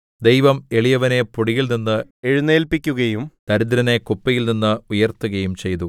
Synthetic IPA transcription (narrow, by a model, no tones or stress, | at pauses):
d̪e̞jʋɐme̞ɭijɐʋɐne̞puɽijilninːɨe̞ɻunːeːlpikʲːuɣɐjumd̪̥ɐɾid̪ɾɐne̞kupːɐjilninːɨujɐrt̪ːuɣɐjumt͡ɕe̞jt̪u